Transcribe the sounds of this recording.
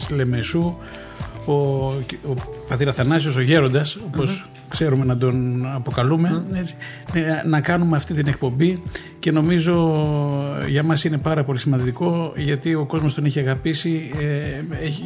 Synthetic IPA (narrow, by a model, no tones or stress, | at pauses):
sle̞mesu | oopɐt̪iɾɐθɐnɐsio̞s̬o̞ʝe̞ɾo̞nd̪ɐso̞po̞s | kse̞ɾume̞nɐd̪o̞nɐpo̞kɐlume̞et͡si̥ | nɐkɐnume̞ɐft̪it̪ine̞kpo̞mbi | ce̞no̞mizo̞ | ʝɐmɐsine̞pɐɾɐpo̞lisimɐnd̪iko̞ʝɐt̪io̞ko̞zmo̞st̪o̞neçiɐɣɐpisieeçi